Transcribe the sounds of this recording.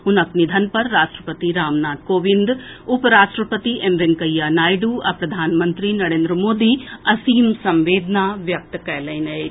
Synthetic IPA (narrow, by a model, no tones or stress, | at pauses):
ɦunɐknid̪ʱɐnpɐɾːaːʂʈɾəpɐt̪iɾaːmnaːt̪̚koːʋind̪upɾaːʂʈɾəpət̪iʔemʋenkɐjːaːnaːjɖuːɐpɾɐd̪ʱaːnmɐ̃nt̪ɾinɐɾeːnd̪ɾəmoːd̪iːɐsiːmsɐ̃mʋeːd̪naʋjɐk̚t̪kɐjlɐjnɐe